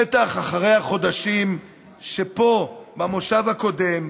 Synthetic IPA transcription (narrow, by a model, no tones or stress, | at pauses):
et̪aχaχaʁe̞jhaχo̞d̪aʃim | ʃepo̞bamoʃavhako̞d̪e̞m